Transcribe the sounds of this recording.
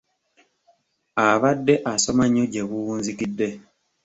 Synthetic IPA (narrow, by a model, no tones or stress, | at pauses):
aβadːe̞ʔasomaɲːoɟeβuuːnzikidːe̞